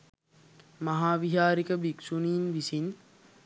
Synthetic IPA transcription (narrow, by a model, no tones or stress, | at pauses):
maɦaːʋiɦaːɾikəbiksuniːnʋisin